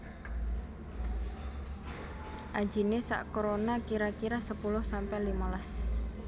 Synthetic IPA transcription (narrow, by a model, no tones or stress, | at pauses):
ʔḁd͡ʒ̥i̤nesa̰ʔkoɾonakiɾakiɾasəpulʊhsampɛlimalas